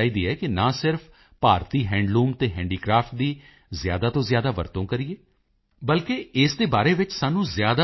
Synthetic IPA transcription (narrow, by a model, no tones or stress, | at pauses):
aːiːd̪iːɦɛːkɪnãːsɪɾfʰ | paːɾt̪iːɦɛ̃ːɳɖlũːmt̪eːɦɛ̃ːɳɖiːkɾaːfʈ̚d̪iː | zɪja̰ːd̪aːt̪õːzjaːd̪aːʋə̰ɾt̪õːkəɾieː | bəlkeɪsd̪eːbaːɾeːʋɪt͡ʃsaːnũːzjaːd̪a